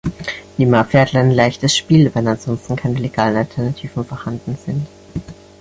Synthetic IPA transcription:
nɪmafɛːɐtlaɪnlaɪçtəsʃpiːlvɛnanz̥ɔnstn̩kʰaɪnəleɡ̥aːlən̩altʰɛɐnatʰiːvn̩fɔɐhandn̩z̥ɪnt

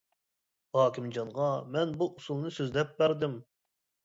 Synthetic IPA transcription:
hɑːkʲɪmd͡ʒɑnʁɑmɛnbuʔusulˠnɨsøzlɛp̚bæɾd̪ɪm

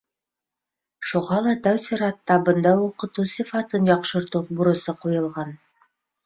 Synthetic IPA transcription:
ʃuʁɑlˠɑt̪æwsiɾɑt̪ːɑbɤ̆nd̪ɑwuqɤ̆t̪usifɑt̪ɤnjɒqʃɤ̆ɾt̪ubuɾɤ̆sɤqujɤ̆lˠʁɑn

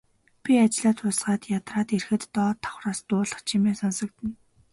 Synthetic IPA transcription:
pʲiat͡ɕɪɮaːt̪ʰʊsɢaːt̪jat̪raːt̪erxɘ̆t̪ːɔːt̪ʰːɔ̥χraːst̪ʊːɮə̆χt͡ɕʰimeːsɔnsɞ̆k̚t̪ɘ̆n

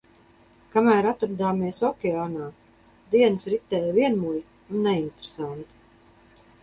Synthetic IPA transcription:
kamæːɾat̪ɾd̪aːmiɛsɔkʲɛaːnaː | d̪iɛnsɾit̪ɛːjviɛnmuj | unːɛint̪ɾsant̪i̥

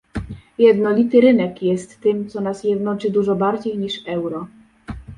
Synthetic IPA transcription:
jɛd̪nɔlʲit̪ɘɾɘnɛkjɛst̪ːɘmt̪sɔnasjɛd̪nɔt͡ʂɘd̪uʐɔbaɾd͡ʑejɲiʂɛwɾɔ

